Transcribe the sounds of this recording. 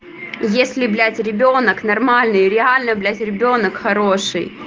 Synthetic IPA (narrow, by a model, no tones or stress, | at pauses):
jesʲlʲɪblʲætʲɾʲɪbʲonəknɐrmalʲnɨjɾʲɪalʲnəblʲætʲɾʲɪbʲo̞nəkxɐɾoʂɨj